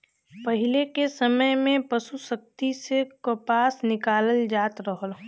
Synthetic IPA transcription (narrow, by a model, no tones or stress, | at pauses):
pəɦɪlekesəməjmẽpəsusək̚t̪isekopaːsnɪkaːləld͡ʒaːt̪ɾəɦəl